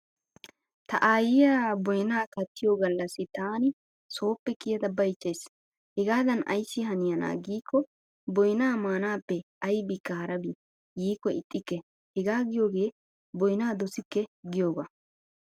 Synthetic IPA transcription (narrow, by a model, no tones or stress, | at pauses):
t̪ɐʔaːjɪjaːbɔjnaːkɐt̪ːɪjoːɡɐlːɐsɪt̪aːnɪ | so̞ːpːɛkʼɪjɐd̪ɐbɐjt͡ʃːeːs | hɛɡaːd̪ɐnɐ̰jsːɪɦɐnɪjɐna̰ːɡiːkʰːɔ | bɔjnaːmaːnaːpːɛ | ɐjbɪkːɐhɐɾɐbi | ɡiːkːɔɪt̪ʼːɪkːɛ | hɛɡaːɡɪjo̞ːɡe̞ː | bɔjnaːd̪ɔsɪkːɛɡɪjo̞ːɡɐ̰